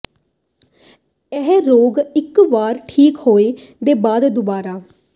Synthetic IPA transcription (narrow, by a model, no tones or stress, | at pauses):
ɛɦɾoːɡɪkʋaːɾʈʰiːkhoːeːd̪eːbaːd̪d̪ʊbaːɾaː